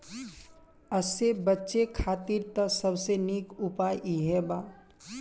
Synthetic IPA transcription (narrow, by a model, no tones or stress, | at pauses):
əsebətːʃekʰaːt̪iɾt̪əsəbsenikʊpaːjʔiɦɛba